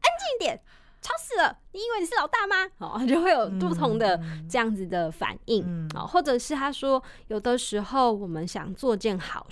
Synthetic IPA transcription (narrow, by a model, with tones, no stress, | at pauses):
ʔə˦nt͡ɕi˥˧ŋ˥t̪jɛ˨˩˦n | ʈ͡ʂʰɑ˧˥ʊsɹ̩˨˩lə˦ni˨˩i˥nwe˥˩ni˨˩ʂ̩˥˨lɑ˨˩ʊt̪a˥˩ma˧˦ɔ̰˨a˥˩t͡ɕjo˥˧ʊxwe˥˩ɪjo˨˩ʊt̪u˥˧t̪ʰo˧˥ŋd̪ə˧ʈ͡ʂɤ˥˧jɑ˥˩ŋd͡z̩˨d̪ə˩fa̰˨˩ni˥˩ŋʔɔ̰˨˩xwɔ˥˩ʈ͡ʂɤ˨˩ʂɻ̩˥˩t̪ʰa˥ʂwɔ˥jo˨˩ʊd̪ə˦ʂɻ̩˧˥xo˥˩ʊwɔ˨˩mə˦nɕjɑ̰˨˩ŋt͡swɔ˥˧t͡ɕɛ˥˩nxɑ˨˩˦ʊ